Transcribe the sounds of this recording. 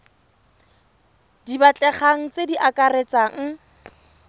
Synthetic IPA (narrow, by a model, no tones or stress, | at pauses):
d̥ibat͡ɬʼɛχaŋ̩t͡sediʔakʼaret͡saŋ̩